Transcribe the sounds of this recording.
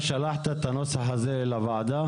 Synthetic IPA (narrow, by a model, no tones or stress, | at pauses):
ʃalaħt̪et̪anosaħazelavaʕd̪a